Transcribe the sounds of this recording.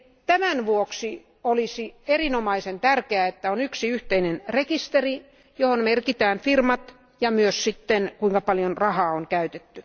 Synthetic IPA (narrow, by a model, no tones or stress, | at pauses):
t̪æmænʋuoksi | olisierinomɑisent̪ærkeæet̪ːæonyksiyht̪einenrekist̪eri | johonmerkit̪æːnfirmɑt̪ | jɑmyøssit̪ːenkuiŋkɑpɑljonrɑhɑːoŋkæyt̪et̪ːy